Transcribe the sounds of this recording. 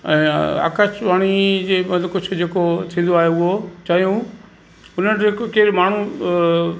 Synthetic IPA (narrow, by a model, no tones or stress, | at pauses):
ɛ̃ːa̰ːkət͡ʃʋaːɽ̃id͡ʑeːmɐəkʊd͡ʑʰʱʊ̆d͡ʑeːkot̪ʰĩːn̆d̪oaːɦeʊɦot͡ɕaːɦijũ | ʊnənɪ̆d͡ʑekokeːɾmaːɳ̤ũ